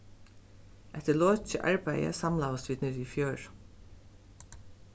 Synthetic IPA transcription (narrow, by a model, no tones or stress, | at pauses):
ʔɛht̪əlɔːt͡ʃəʔa̰ɹpæjə̰samlaːvəst̪viːd̪nɪːɾifjœːɹ